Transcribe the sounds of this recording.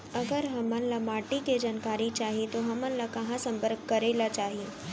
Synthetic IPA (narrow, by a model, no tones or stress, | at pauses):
ɐɡəɾɦɐmə̃nlamaːʈiked͡ʒaːnkaːɾit͡ʃaːɦiet̪oɦɐmə̃nlakɐɦãsɐ̃mpəɾkːɐɾeːlat͡ʃaːɦieː